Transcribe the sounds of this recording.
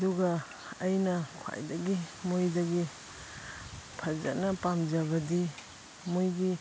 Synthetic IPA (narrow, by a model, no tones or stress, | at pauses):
duɡɐ | ɐjnɐkʰwa̰jdɐɡimojdɐɡi | pʰɐza̰nɐpamd͡ʒɐβɐdi | mojɡi